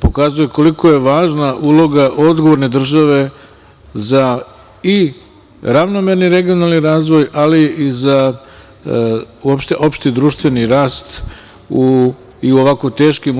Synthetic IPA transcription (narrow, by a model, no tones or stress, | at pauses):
po̞kazujeko̞liko̞je̞ʋaːʒnaʔuːlˠo̞ɡaʔo̞d̪ɡoʋo̞ɾne̞d̪r̩ʒaʋe̞ | za | i | ɾaʋnome̞ɾniɾe̞ɡijonalˠniɾaːzʋo̞jaliiza | uopʃt̪eʔo̞pʃt̪id̪ɾuːʃt̪ʋe̞niɾaːst̪ | u | iuo̞ʋakot̪e̞ːʃkim